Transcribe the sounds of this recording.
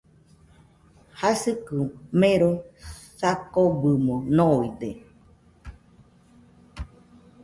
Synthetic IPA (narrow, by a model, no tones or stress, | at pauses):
hasɨkɨmẽɾosakobɨmõnoid̪e